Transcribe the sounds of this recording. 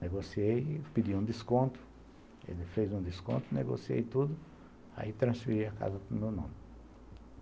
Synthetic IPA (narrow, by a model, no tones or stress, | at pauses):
neɡosiejpid̪iũd̪iskõnt̪ʊ̥ | ḛlɪfejzũnd̪iskõ̰nt̪ʊnḛɡo̰siḛjt̪ud̪ʊ | a̰it̪ɾɐ̃sfiɾijɐka̰zɐkõmewnõmɪ